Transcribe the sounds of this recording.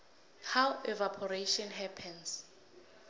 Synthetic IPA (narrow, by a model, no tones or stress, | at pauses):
hawɛvapʰɔɹeʃɔnɦɛpʰɛ̃ns